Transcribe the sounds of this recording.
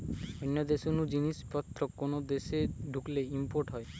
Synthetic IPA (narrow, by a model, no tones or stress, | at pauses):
ɔnːjɔd̪esɔnud͡ʒinispɔt̪ɾɔkonod̪eseɖʱukleimpoɾʈɦɔe